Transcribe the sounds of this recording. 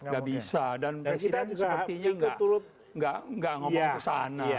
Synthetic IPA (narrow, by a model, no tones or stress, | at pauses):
ŋɡaʔbisadanpɛsit̪ansɡəapət̪iɲaŋɡʔuɾʊt̪̚ | ŋɡaʔŋɡaŋɔŋŋəsana